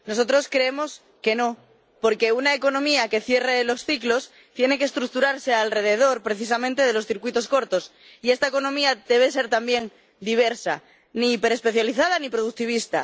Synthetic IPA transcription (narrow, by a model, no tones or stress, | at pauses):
no̞s̬o̞t̪ɾo̞skɾeemo̞s | ke̞no̞ | po̞ɾke̞unaeko̞nõ̞miake̞θje̞relo̞sθiklo̞s | t̪je̞ne̞kest̪ɾuk̚t̪uɾaɾse̞alre̞ð̞e̞ð̞o̞ɾpɾeθis̬amẽnt̪eð̞e̞lo̞sθiɾkwit̪o̞sko̞ɾt̪o̞s | ie̞st̪aeko̞nõ̞miaðe̞β̞e̞s̬eɾt̪ambje̞ŋ | d̪iβ̞e̞ɾsa̰ | nipe̞ɾespe̞θjaliθaðanipɾoð̞uk̚t̪iβ̞ist̪a̰